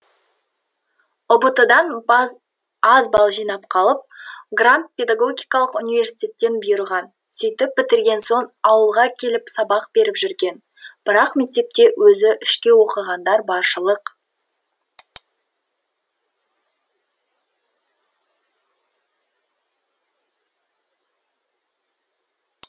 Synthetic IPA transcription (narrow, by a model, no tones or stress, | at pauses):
ʊbət̪əd̪ɑn | ɑzbɑlˠʒijnɑp̚qʰɑlˠəp̚ɡrant̪̚pʲe̞d̪aɡo̞ɡʲijkɑlˠəqunivʲe̞ɾsi̥t̪ʲe̞t̪ːe̞nbʊjəɾʁɑn | sʏjt̪ɪpːɪt̪ɪɾɡʲe̞nso̞ɴɑwəlˠʁɑkʲʰe̞lɪpsɑbɑq̚b̥e̞ɾɪpʒʏɾɡʲe̞n | b̥ɪɾɑqme̞k̚t̪e̞p̚t̪e̞wʔɵzɪʔʏʃkʲe̞wo̞qəʁɑnd̪ɑɾbɑɾʃəlˠəq